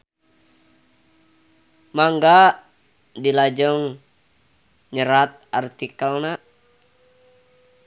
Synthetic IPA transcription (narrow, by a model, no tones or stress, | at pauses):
maŋɡa | dilad͡ʒɔŋ | ɲəɾat̪̚art̪ikəlna